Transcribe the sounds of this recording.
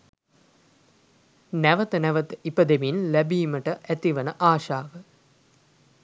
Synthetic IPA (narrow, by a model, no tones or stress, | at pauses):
næʋət̪ənɛʋət̪ipəd̪eminlæbiːməʈəʔæt̪iʋənəʔaːʃaːʋə